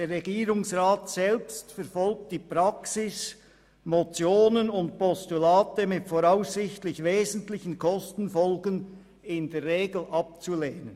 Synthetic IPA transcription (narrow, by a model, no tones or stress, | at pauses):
d̥eːrʁɛɡiːɾʊŋsʁaːtsɛlpstfɛɾfɔlk̚t̚d̥iːpʁɑksɪs | mot͡sjoːnənʊnt̚pʰɔstulaːtəmɪtfoːʁaʊsːɪçtlɪçveːzn̩tlɪçən̩kʰɔstn̩fɔlɡən | ɪndeːɾʁeːɡl̩ɑp̚t͡suleːnən